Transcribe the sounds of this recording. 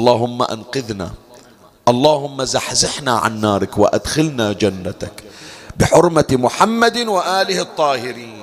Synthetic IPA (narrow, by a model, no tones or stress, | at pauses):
lˤːɑːɦʊmːa̰ʔa̰nqɪðna̰ | ʔɑlˤːɑːhʊmːazaħzɪħnaʕa̰nːaːɾˤɪkwa̰ʔa̰d̪xɪlnaːd͡ʒanːat̪akbɪħʊɾˤmamʊħamːad̪ɪwaʔaːlɪht̪ˤːɑːhɪɾiːn